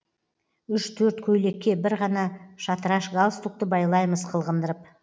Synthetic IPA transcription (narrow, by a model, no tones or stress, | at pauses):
ʏʃt̪ʰɵɾt̪kʲʰɵjle̞kʲːe̞bɪɾʁɑnɑʃɑt̪əɾɑʃɡalˠst̪uk̚t̪əbɑjlˠɑjməzqʰəlˠʁənd̪əɾəp̚